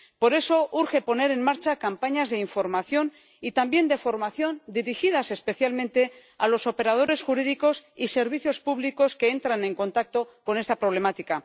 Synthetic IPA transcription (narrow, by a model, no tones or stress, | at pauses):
po̞ɾe̞so̞ʔuɾxe̞po̞ne̞ɾe̞nmaɾt͡ʃakampaɲazðe̞iɱfo̞ɾmaθjo̞n | it̪ambje̞nd̪e̞fo̞ɾmaθjo̞nd̪iɾixiðase̞spe̞θjalmẽnt̪e̞ | alo̞so̞pe̞ɾað̞o̞ɾe̞sxuɾiðiko̞sise̞ɾβ̞iθjospuβliko̞ske̞e̞nt̪ɾanẽ̞ŋkõ̞nt̪ak̚t̪o̞ko̞nest̪apɾoβ̞le̞mat̪ika